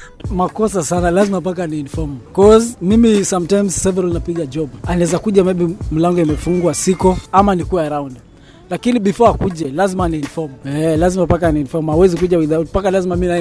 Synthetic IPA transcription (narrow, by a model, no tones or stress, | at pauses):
makɔsasanalazimapakaniinfɔmkɔzmimisamtajmzsɛvɛɾalnapiɠad͡ʒɔbaanaɛzakuʄamɛbim̩laŋɡɔimɛfuŋɡwasikɔamanikuaaɾaund | lakiniɓifɔakuʄɛlazimaniinfɔmɛlazimapakaniinfɔmawɛzik̬uʄawiðapakalazimamina